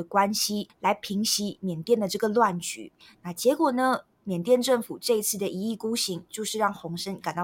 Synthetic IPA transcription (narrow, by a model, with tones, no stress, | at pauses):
əkwa˦˥nɕi˥la˧˥ɪpʰi˧˥ŋɕi˧˥mjɛ˨˩nt̪jɛ˥˩nd̪ə˩ʈ͡ʂɤ˥˩ɡə˩lwa˥˩nt͡ɕy̰˨˩˦ | na˥˩t͡ɕjɛ˧˥kwɔ˨˩nə˦ | mjɛ˨˩nt̪jɛ˥˧nʈ͡ʂə˥˩ŋfu˨˩ʈ͡ʂɤ˥˧i˧˥t͡sʰɹ̩˥˩d̪ə˩ʔi˧˥i˥˩ku˥ɕi˧˥ŋt͡ɕjo˥˧ʊʂɻ̩˥˧ɻɑ˥˩ŋxʊ˧˥ŋʂə˥nka˨˩nt̪ɑ˥